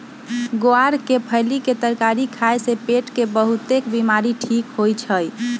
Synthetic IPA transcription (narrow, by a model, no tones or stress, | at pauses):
ɡoaɾkepʰəjliket̪əɾkaɾikʰajsepeʈkebəɦut̪ekbimaɾiʈʰikɦojt͡ʃʰəj